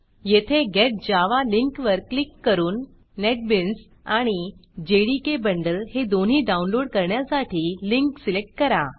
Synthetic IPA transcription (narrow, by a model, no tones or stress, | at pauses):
jet̪ʰeɡeʈ̚d͡ʑaʋaliŋkʋəɾklikːəɾuːnː | eʈ̚bins | aɽ̃id͡ʑeɽikebəɳɖəlhed̪on̤ɦiːɖaunloɽkəɾɳjasaʈʰiːliŋksilek̚ʈ̚kəɾa